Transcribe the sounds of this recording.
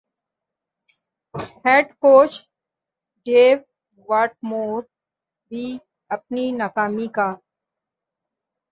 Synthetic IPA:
hɛːɖkoːt͡ʃ | ɖeːʋ | ʋaːʈ̚moːɾ | bʱi | ɐp̚ninaːkaːmikaː

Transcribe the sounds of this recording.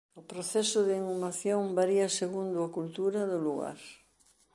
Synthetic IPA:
ʊpɾoθɛsʊðɪiŋumaθjoŋbaɾiɐseɣund̪ʊakult̪uɾɐðʊluɣa̰ɾ

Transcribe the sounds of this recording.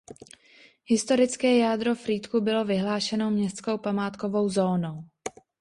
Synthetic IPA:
hɪst̪o̞ɾɪt͡skɛːjaːd̪ɾo̞fɾiːt̪kubɪlo̞vɪɦlaːʃɛno̞mɲɛst̪t͡ssko̞wpamaːt̪ko̞vo̞wzo̞ːnow

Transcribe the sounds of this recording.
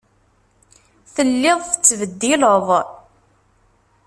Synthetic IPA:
θəlːɪðˤθət͡sːvəd̪ːiləðˤ

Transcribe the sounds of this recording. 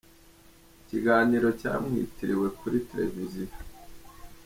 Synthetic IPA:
iciɡaːniɾo̞ca̰ːmŋḭːtiɾiwe̞kuɾitɾe̞̰vizia

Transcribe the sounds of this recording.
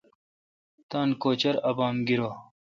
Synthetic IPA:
t̪aːnkoːt͡ɕɐɾɐbaːmɡiɾoː

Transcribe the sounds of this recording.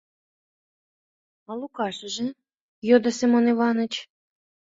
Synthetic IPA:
ɑlˠukɑʃə̆ʒĕ | jod̪ɑsemonivɑnə̆t͡ɕ

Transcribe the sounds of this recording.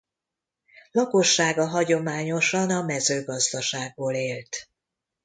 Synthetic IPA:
lɒkoʃːaːɡɒɦɒɟo̞maːɲo̞ʃɒnɒmɛzøːɡɒzd̪ɒʃaːɡ̚boːleːlt̪

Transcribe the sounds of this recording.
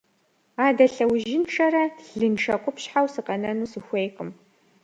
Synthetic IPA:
aːdɐɬɐwʒɪnʈ͡ʂʰɐɾɐɮɨnʈ͡ʂʰɐqʷʼʊpɕħawsɨqɐnɐnuːsɨxʷejqʼəm

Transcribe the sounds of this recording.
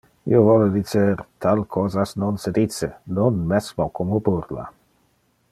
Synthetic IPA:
ḭovɔled̪it͡seɾt̪ʰalkʰɔːzasnonsed̪it͡senonmɛsmokʰomobuɾla̰

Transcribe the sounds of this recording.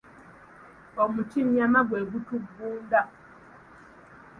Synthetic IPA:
omutimjamaɡweːɡutuɡuːnda

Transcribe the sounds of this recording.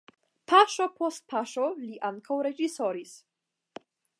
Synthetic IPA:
pʰaʃopost̪̚pʰaʃoliʔaŋkawɾe̞d͡ʒiso̞ɾis

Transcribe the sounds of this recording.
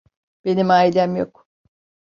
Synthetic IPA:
b̥e̞nimaːjd̪æmjo̞k

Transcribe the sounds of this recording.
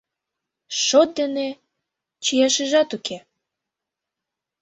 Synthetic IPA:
ʃot̪̚d̪ene | t͡ɕijɑʃə̆ʒɑt̪ukʰe

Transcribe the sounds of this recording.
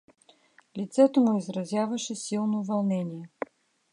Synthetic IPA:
lʲit̪sɛt̪omʊizɾɐzʲjavəʃɛsilˠnovɐlˠnɛnʲiɛ

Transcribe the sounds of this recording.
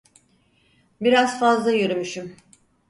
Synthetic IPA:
biɾazfazlˠajøɾymyʃym

